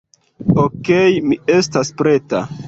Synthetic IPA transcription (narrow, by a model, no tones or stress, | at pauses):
okejmie̞staspɾe̞ta